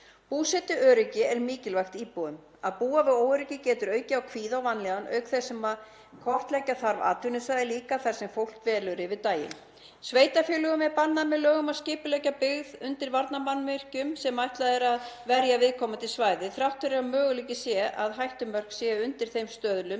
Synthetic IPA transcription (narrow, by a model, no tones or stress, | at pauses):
puːsɛt̪ʏœːɾʏcɪɛɾmɪːcɪlvajxt̪iːpoðʏm | a̰ðpuːavɪoːwʏɾʏcɪcɛːt̪ʏɾœːɥcɪawkʰv̥iːðawvanːlɛɣanʔœ̰ːɥkθɛsɛma | kʰɔr̥t̪lɛcaθaɾva̰ːt̪ʏnʏsvaðɪliːkaθḁsɛmfowl̥kvɛːlʏɾɪvɪðt̪aːjɪ̰n | sveːjt̪afjʏːlʏɣʏmɛɾpanːamɛðlœːɣʏmaðscɪːpʏlɛcapɪɣðʏnt̪ɪɾvaɾt̪namanmɪr̥cʏmsɛmːajht̪laðɛɾaðvɛɾjavɪðkʰɔmat̪ʰɪlsvaːjðɪθɾawht̪ʏɾɛamœːɣʏliːcɪsjɛʔa̰ðɦajht̪ʏmœr̥ksjɛʏnt̪ɪɾ̥θejmst̪œːðlʏm